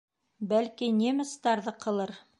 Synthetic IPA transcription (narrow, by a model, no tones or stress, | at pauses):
bælkinʲemɪ̆st̪ɑɾðɤqʰɤ̆lˠɤɾ